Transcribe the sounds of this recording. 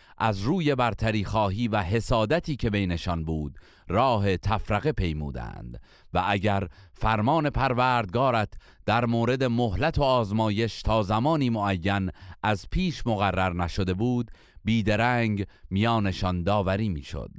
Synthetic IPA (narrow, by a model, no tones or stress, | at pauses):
ʔæzruːje̞bæɾt̪ʰæɾiːxɒːɦiːvæɦe̞sɒːd̪æt̪ʰiːcʰe̞be̞jne̞ʃɒnbuːd̪ | rɒːɦe̞t̪ʰæfɾæɣe̞pʰe̞jmṵːd̪æ̰nd̪̥ | væʔæɟæɾfæɾmɒːne̞pʰæɾvæːɾd̪̚ɡɒːɾæt̪ʰ | d̪̥æɾmoːɾe̞d̪e̞moɦlæt̪ʰo̞ɒːzmɒːje̞ʃt̪ʰɒːzæmɒːniːmoæjːænʔæzpʰiːʃmoɣærːæɾnæʃod̪e̞buːd̪ | biːd̪eɾæːŋɡmijɒːne̞ʃɒnd̪ɒːvæɾiːmiːʃo̰d̪̥